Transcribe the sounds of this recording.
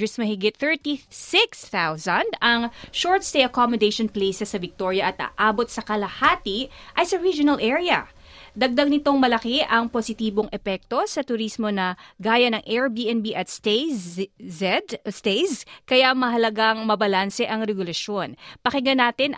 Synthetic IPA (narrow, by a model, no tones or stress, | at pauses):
ɪsmɐhɪɡɪt̪̚θɛ˞t̪isɪksθawsɐnd̪ɐŋʃoɹt̪st̪ejʔɐkomod̪ejʃonplejsɛsɐvɪk̚t̪oɹjɐʔɐt̪a̰ʔaːbot̪̚sɐkɐlɐhaːt̪iʔɐjsɐɹid͡ʒʊnɐlʔɛɹiɐ̰ | d̪ɐɡ̚d̪ɐɡ̚nɪt̪o̞ŋmɐlɐkeʔɐŋposɪt̪iːbo̞ŋʔɛpɛk̚t̪o̞sɐt̪ʊɾismo̞nɐɡaːjɐnɐŋʔɛɹbiʔɛnbiʔɐt̪st | ɛd̪st̪ejskɐjamɐɦɐlɐɡaŋmɐbɐlansɛʔɐŋɾɛɡʊlɐʃjo̞npɐkɪɡɐnaːt̪ɪn